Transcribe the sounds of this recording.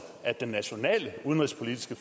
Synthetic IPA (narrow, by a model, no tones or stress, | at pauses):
æd̥enːæɕo̝nɛ̰ːləuð̞ˠənʁispʰo̝lid̥i̥sɡ̥əf